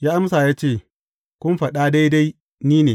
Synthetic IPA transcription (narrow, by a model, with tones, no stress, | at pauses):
jaː˦ʔa˦ms̬a˨jaː˦t͡ʃeː˦˨ | kʷʊ˦mɸɐ˨ɗa˦da˦jda˦j | niː˦neː˨